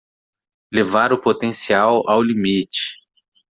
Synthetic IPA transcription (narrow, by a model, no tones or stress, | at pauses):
levaɾʊpot̪ẽsiawawlimit͡ʃɪ̥